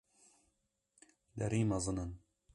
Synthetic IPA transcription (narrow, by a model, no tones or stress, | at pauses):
d̪ɛɾiːmɐzɨnɨn